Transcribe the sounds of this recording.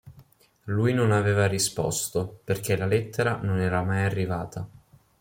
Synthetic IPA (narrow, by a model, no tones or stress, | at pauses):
lujnonaveːvarispɔ̰st̪operk̟elalɛt̪ʰːeɾanonɛːɾamajarːivaːt̪a